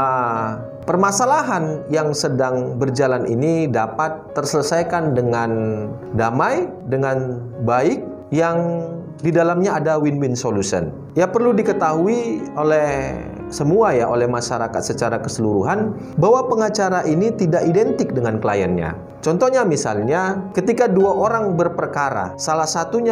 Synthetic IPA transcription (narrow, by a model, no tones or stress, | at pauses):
pərmasalaɦanjaŋsədaŋbərd͡ʒalanḭnidapat̪ːərsələsajkandəŋan | damaj | dəŋan | baɪk̚ | jaŋ | didalamɲaːdawinwinsolusə̰n | japərludikət̪aɦuiolɛh | səmuajaʔolɛhmaʃaɾakat̪̚sət͡ʃaɾakəsəluɾuɦan | bawapəŋat͡ʃaɾaʔinit̪idaʔidɛnt̪ɪk̚dəŋankəla̰janɲa̰ | t͡ʃɔnt̪ɔhɲamisa̰lɲakət̪ikaduaʔoɾaŋbərpərkaɾa̰salahsat̪uɲa